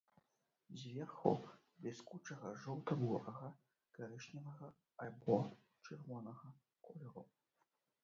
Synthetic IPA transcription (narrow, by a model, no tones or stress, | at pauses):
zʲvʲɛrxṵ | bʲɛskut͡ʂɐɣɐʐɔwt̪ɐbɔrɐɣɐ | ɡ̥aɾɨʂnʲɐvɐɣɐ | alʲbɔ | t͡ʂɨrvɔnɐɣɐ | kɔlʲɛɾu